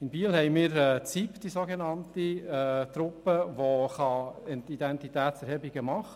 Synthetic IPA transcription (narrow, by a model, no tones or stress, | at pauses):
ɪnbiːlhɛɪmiːɾɛːt͡sipd̪̥isoɡenɑntiɛt̪ɾʊpːəʋoχɑɛtid̪ɛnt̪it̪æːtsɛɾhɛbiɡ̥əmɑχ